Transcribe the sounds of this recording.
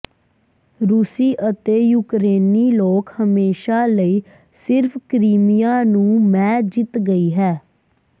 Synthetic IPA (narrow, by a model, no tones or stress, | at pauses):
ɾuːsiːʔət̪eːjuːkɾeːniːloːkhəmeːʃaːləiː | sɪɾpʰkɾiːmɪjãːnũːmɛ̃ːd͡ʒɪt̪ɡəiːɦɛː